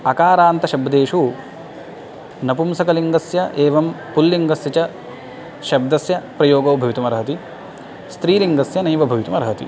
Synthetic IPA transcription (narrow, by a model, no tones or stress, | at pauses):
ɐkaːɾaːnt̪ɐʃɐbd̪eːʂu | nɐpumsɐkɐliŋɡɐsjɐʔeːʋɐm | pulːiŋɡɐsjɐt͡ʃɐ | ʃɐb̚d̪ɐsjɐpɾɐjoːɡɐːbʱɐʋit̪umɐɾɐɦɐt̪i | st̪ɾiːliŋɡɐsjɐnɐjʋɐbʱɐʋit̪umɐɾɐɦɐt̪ḭ